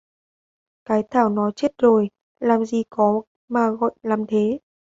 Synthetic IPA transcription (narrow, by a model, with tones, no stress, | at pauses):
kaː˨˦jt̪ʰaː˧˩wnɔ˨˦t͡ɕe˦˥t̚zo˨˩j | laː˨˩mzi˨˩kɔ˨˦ | maː˨˩ɣɔ̰˧˨jlaː˨˩mt̪ʰe˨˦